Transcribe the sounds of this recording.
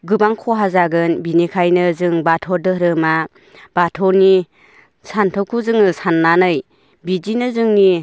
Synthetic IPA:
ɡɯbaŋkʰɔɦazaɡɯnbinekʰajnɯzɯŋbatʰɔɾdɯhɾɯma | b̥atʰɔɾni | santʰɔkʰuzɯŋɯsanːanɯj | bid͡ʒinɯzɯŋni

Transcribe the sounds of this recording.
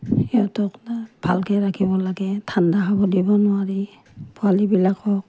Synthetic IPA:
ɛɔtɔknab̥ʱalkɛɹakʰibɔlaɡɛtʰandaɦabɔdibɔnʊaɹi | pʰualibilakɔk̚

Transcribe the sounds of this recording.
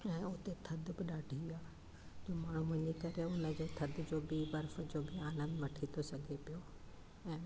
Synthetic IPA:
ɛ̃ːʊɦt̪et̪ʰɐd̪ʱbɪɗaːɖʱiaː | d͡ʑoːmaːɳ̤uʋɐ̃ɲikɐɾeʊnə̆d͡ʑoːt̪ʰɐd̪d͡ʑoːbiːʋɐɾfə̆d͡ʑoːbɪaːlə̃nd̪ʋɐʈʰit̪osɐɡʱepijo | ɛ̃ː

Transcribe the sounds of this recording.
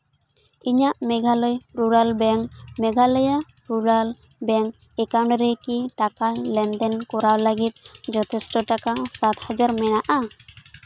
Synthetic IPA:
iɲaʔmɛɡʱalɔjɾuɾalbɛŋmɛɡʱalɔja | ɾuɾal | bɛŋ | ɛkawɳɖɾɛkiʈakalɛnd̪ɛnkɔɾawləɡit̪̚ˀd͡ʒɔt̪ʰɛsʈɔʈakasat̪had͡ʒaɾmɛnaʔa

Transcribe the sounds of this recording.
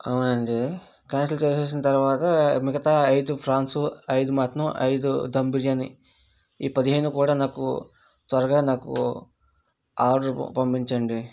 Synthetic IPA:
ɐwunɐɳɖi | kaːns̬ilt͡ʃeːseːs̬inɐt̪ɐɾuʋaːt̪ɐmiɡɐt̪aːɐjd̪upʰɾaːnsuɐjd̪umaːt̪nɐmʔɐ̰jd̪ud̪ɐmbiɾjɐni | iːpɐd̪iɦeːnukuːɽaːnaːkṵ | t̪ʋɐɾɐɡaːnaːkṵ | aːɾṵpɐmpiɲt͡ʃɐɳɖi

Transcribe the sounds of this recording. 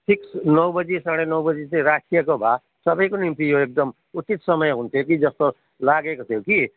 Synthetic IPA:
ʈʰiksnʌwbʌd͡zisaɽ̃enʌwbʌd͡zit͡saj̃ɾasʈijʌkobʱa | sʌbʌjkonimt̪ijoek̚d̪ʌm | ut͡sit̪sʌmʌjɦunt̪ʰok̬id͡zʌst̪o | laɡekot̪ʰjoki

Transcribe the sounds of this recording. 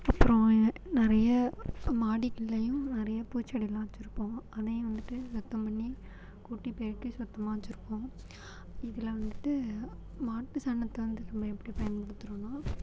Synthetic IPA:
ɐpːɯɾõnɪɾɐjɐmaːɽikɪlːɐjʊ̃nɪɾɐjɐpuːt͡ʃːɐɽɪlãːt͡ʃːɪɾɯpːõːɐðɐjʊ̃ʋɐnd̪ɯʈːɯsɔt̪ːɐ̃mpɐɳːi | kuːʈːipeːɾkːɯsɔt̪ːɐmaːt͡ʃːɪɾɯpːõː | ɪðɪlɐʋɐnd̪ɯʈːɯ | maːʈːɯsɐːɳːɐt̪ːɐʋɐnd̪ɯnɐmbɐɛpːɐɽipːɐjɐnmpʊɽɯt̪ːɯɾõnaː

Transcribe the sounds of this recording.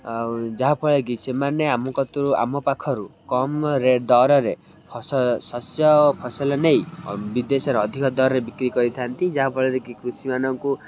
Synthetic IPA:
d͡ʒaɦapʰɔɭeɡ̬isemaneamɔkɔt̪ɔɾua̰mɔpakʰɔɾukɔmɾed̪ɔɾɔɾe | pʰɔsɔsɔsjɔpʰɔsɔlɔnejbid̪esɔɾeɔd̪ʱikɔd̪ɔɾɔɾebikɾikɔɾit̪ʰant̪id͡ʒaɦapʰɔɭeɾekikɾusimanɔŋku

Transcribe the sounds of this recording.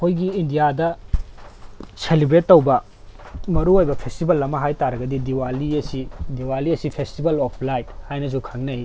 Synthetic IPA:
kʰojɡiːndijadɐ | selibɾetːowbɐ | mɐɾuojbɐpʰestibɐlɐmɐɦajtaɾɐɡɐdidiwaliɐsidiwaliɐsipʰestibɐlopʰlajt̚hajnɐs̬ukʰaŋnɐi

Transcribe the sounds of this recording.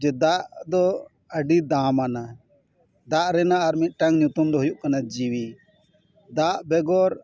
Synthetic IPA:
d͡ʒɛd̪aʔd̪ɔ | əɖid̪amana | d̪aʔɾɛnaːɾmit̪̚ˀʈaŋɲut̪umd̪ɔɦujuʔkanad͡ʒiwi | d̪aʔbɛɡɔɾ

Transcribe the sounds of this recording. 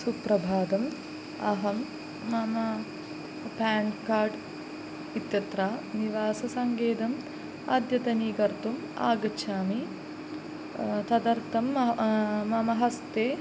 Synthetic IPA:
supɾɐbʱaːd̪ɐm | ɐ̰ɦɐmː | ɐmɐ | paːɳkaːɾɖ | it̪jɐt̪ɾaːniʋaːsɐsɐŋɡeːd̪ɐm | ɐːd̪jɐt̪ɐniːɡɐɾt̪um | a̰ːɡɐt͡ʃʰaːmi | t̪ɐd̪ɐɾt̪ɐmː | ɐmɐɦɐst̪eː

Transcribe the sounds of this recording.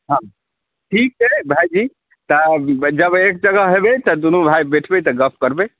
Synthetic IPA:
ɦã | ʈʰik̚t͡ʃebʱajd͡ʒi | t̪əd͡ʒəbek̚d͡ʒəɡəɦɦebet̪əd̪unubʱajbeʈʰbet̪əɡəpʰkəɾbe

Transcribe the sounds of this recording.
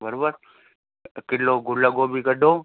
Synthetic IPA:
bəɾobəɾ | kɪloːɡʊləɡoːbʱikəɖoː

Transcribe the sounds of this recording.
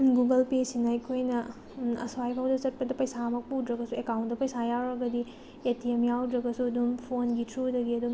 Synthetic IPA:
ɡuɡɐlpesinɐɐjkʰojnɐ | ɐ̰swajpʰawdɐt͡ʃɐt̚pɐdɐpɐjsamɐk̚pudɾɐɡɐsuekawntdɐpɐjsajawɾɐɡɐdi | etiemjawdɾɐɡɐsuɐdumpʰonɡitʰɾudɐɡiɐdum

